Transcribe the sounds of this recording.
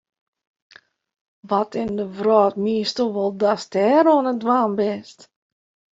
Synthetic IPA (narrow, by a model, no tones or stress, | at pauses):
ʋɔtʰɪndəvrɔːtmiːəstəʋɔlˠdastɛːɾoːnədwaːnbɛst